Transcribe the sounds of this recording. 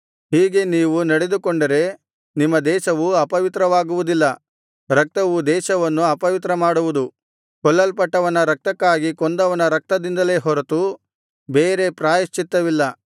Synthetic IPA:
ɦiːɡe̞niːʋunɐɽe̞d̪ukoɳɖɐɾe̞ | nimːɐd̪ɛːʃɐʋuɐpɐʋit̪ɾɐʋaːɡuʋud̪ilːɐ | ɾɐk̚t̪ɐʋud̪ɛːʃɐʋɐnːuɐpɐʋit̪ɾɐmaːɽuʋud̪u | kɔɭːɐlpɐʈːɐʋɐnɐɾɐk̚t̪ɐkːaːɡikɔnd̪ɐʋɐnɐɾɐk̚t̪ɐd̪ind̪ɐle̞ːɦɔɾɐt̪u | beːɾe̞pɾaːjɐst͡ʃit̪ːɐʋilːɐ

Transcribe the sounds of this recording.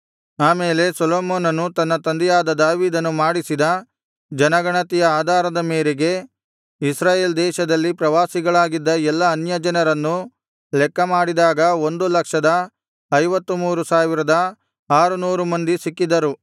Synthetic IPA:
aːmeːle̞sɐloːmoːnɐnːut̪ɐnːɐt̪ɐnd̪ɛjaːd̪ɐd̪aːʋiːd̪ɐnːumaːɽisid̪ɐ | d͡ʒɐnɐɡɐɳɐt̪ijɐaːd̪ʱaːɾɐd̪ɐmeːɾeɡe̞ | isɾaːjeːld̪ɛːʃɐd̪ɐlːipɾɐʋaːsiɡɐɭaːɡid̪ːɐɛlːɐːnjɐd͡ʒɐnɐɾɐnːu | lɛkːɐmaːɽid̪aːɡɐo̞nd̪ulɐkʂɐd̪ɐ | ɐjʋɐt̪ːumuːɾusaːʋiɾɐd̪ɐ | aːɾunuːɾumɐnd̪isikːid̪ɐɾu

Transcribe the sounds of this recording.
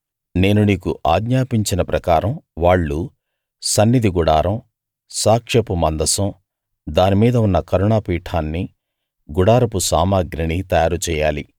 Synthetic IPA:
ne̞ːnuniːkuʔaːɡɲaːpiɲt͡ʃinɐpɾɐkaːɾɐmʋaːɭːu | sɐnːid̪ʱiɡuɽaːɾɐm | saːkʂɐpumɐnd̪ɐsɐ̃m | d̪aːnimiːd̪ɐunːɐkɐɾuɳaːpiːʈʰaːnːi | ɡuɽaːɾɐpusaːmaːɡɾɐɳit̪ɐjaːɾut͡ʃɛːjaːli

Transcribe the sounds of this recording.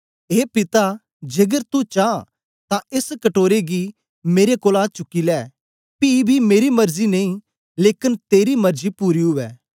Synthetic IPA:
eːpɪt̪a | d͡ʒeɡəɾt̪ut͡ʃãː | t̪ãɪskɐʈoːɾeɡi | meːɾekoːlãt͡ʃʊkːilɛː | piːbʱimeːɾimɐɾzinɐĩ | leːkɪnt̪eːɾimɐɾzipuːɾiɦʊʋɛː

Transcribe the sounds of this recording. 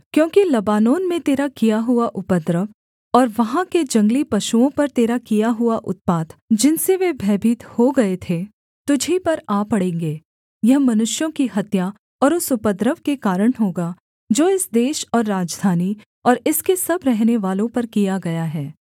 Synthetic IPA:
kjõːkilɐbaːnoːnmẽt̪eːɾakijaɦʊaʔʊpəd̪ɾəʋ | ɔːɾʋɐɦãked͡ʒɐ̃ŋɡlipɐʃuõpɐɾt̪eːɾakijaɦʊaʔʊt̪̚paːd̪d͡ʒɪnseʋeːbʱɛːbʱiːt̪hoɡɐet̪ʰe | t̪ʊd͡ʒʱipɐɾaːpɐɽẽːŋɡeː | jɐɦmɐnʊʃjõkiɦɐt̪ja | ɔːɾʊsʊpəd̪ɾəʋkekaːɾəɽ̃ɦoːɡaː | d͡ʒoːɪsd̪eːʃɔːɾːaːd͡ʒd̪ʱaːni | ɔːɾɪskesɐbɾɛɦneʋaːlõpɐɾkijaɡɐjaɦɛː

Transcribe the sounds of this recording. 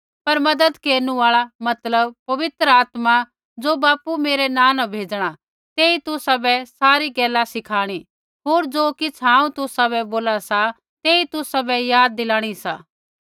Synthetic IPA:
pɐɾmɐd̪əd̪keːɾnũaːɭamɐt̪ləbpɐʋɪt̪ɾəaːt̪ma | d͡zoːbaːpumeːɾɛnãːnãbʱeːd͡ʒɽ̃a | t̪eːit̪ʊsabɛsaːɾiɡɛːlasɪkʰaːɽ̃i | ɦoːɾd͡ʒoːkɪt͡sʰɦãːũt̪ʊsabɛboːlasa | t̪eːit̪ʊsabɛjaːd̪̚ːɪlaːɽ̃isaː

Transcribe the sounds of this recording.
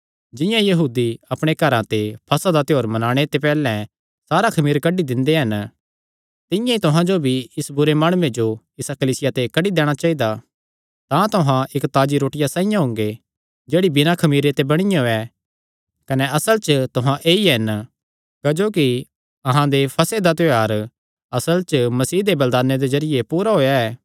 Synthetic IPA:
d͡ʒɪ̃jãjɐɦuːd̪iɐpɽ̃ekɐɾãt̪epʰɐsad̪at̪ɪjoːɾmɐnaːɽ̃et̪epɛːlɛ̃ | saːɾakʰɐmiːɾkɐɖid̪ɪ̃nd̪eɦɐn | t̪ɪ̃jãit̪ʊɦãd͡ʒobʱiɪsbʊɾemaːɽ̃ʊẽd͡ʒo | ɪsakɐliːsɪjat̪ekɐɖid̪ɛːɽ̃at͡ʃaːid̪a | t̪ãt̪ʊɦãʔɪkt̪aːd͡ʒiɾoːʈɪjasãːĩjãɦʊ̃ŋɡe | d͡ʒeːɽibɪnakʰɐmiːɾet̪ebɐɽ̃ɪjõɛ | kɐnɛɐsəlt͡ʃət̪ʊɦãʔeːiɦɐn | kɐd͡ʒoːki | ɐɦãd̪epʰɐsed̪at̪̬oaːɾ | ɐsəlt͡ʃəmɐsiːd̪ebɐld̪aːnːed̪ezɐɾɪjepuːɾaɦoːjaɛː

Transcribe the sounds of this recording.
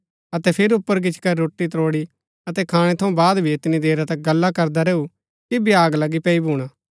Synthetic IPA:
ɐt̪ɛpʰɪɾʊpːəɾɡɪt͡ʃkaɾoːʈːit̪ɾoːɽi | ɐt̪ɛkʰaːɽ̃ɛt̪ʰɐ̃ũbaːd̪bʱiet̪nid̪eːɾat̪ɐk̚ɡɐlːakɐɾd̪aɾeːu | kibiaːɡlɐɡipɛːibuːɽ̃aː

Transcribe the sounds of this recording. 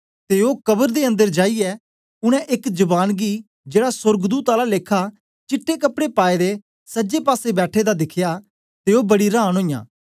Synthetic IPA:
t̪eːokɐbəɾd̪eːə̃nd̪əɾd͡ʒaːijɛː | ʊɽ̃ɛ̃ʔɪkd͡ʒɐbaːnɡi | d͡ʒeːɽasʊɾɡd̪uːt̪aːlaleːkʰa | t͡ʃɪʈʰːekɐpɽepaːed̪e | səd͡ʒepaːsebɛːʈʰed̪ad̪ɪkʰjaː | t̪eːobɐɽiɾãːñɦõːjã̰ː

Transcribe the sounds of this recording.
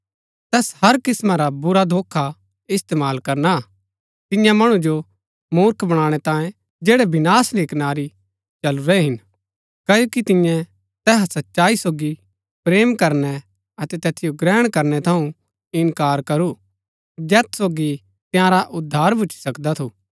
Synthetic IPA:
t̪ɛːshɐɾkɪsmãɾabʊɾad̪ʱoːkʰːa | ɪst̪eːmaːlkɐɾna | t̪ɪjãmɐɽ̃ũd͡ʒo | muːɾkʰbɐɽ̃ãːɽ̃ɛt̪ãːjẽ | d͡ʒeːɽɛbɪnaːsleːknaːɾi | t͡ʃɐluɾɛɦɪn | kɐːjoːkit̪ɪ̃jɛ̃ | t̪ɛːɦsɐtːʃaːisoːɡi | pɾeːmkɐɾnɛ | ɐt̪ɛt̪ɛːt̪ʰɪjoɡɾɛːɽ̃kɐɾnɛt̪ʰɐũ | ɪnkaːɾkɐɾu | d͡ʒɛːt̪soːɡi | t̪ɪjãɾaʔʊd̪ʱːaːɾbʱʊt͡ʃʰi̥sɐkd̪at̪ʰu

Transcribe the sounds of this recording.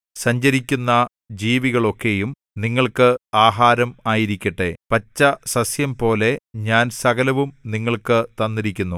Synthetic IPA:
sɐɲd͡ʑɐɾikʲːunːɐ | d͡ʑiːʋiɣɐɭo̞kːe̞jum | niŋːɐɭkɨaːɦaːɾɐmaːjiɾikʲːɐʈːepɐt͡ɕːɐsɐsjɐmpo̞ːle̞ɲaːnsɐɣɐlɐʋumniŋːɐɭkɨt̪ɐnːiɾikʲːunːu

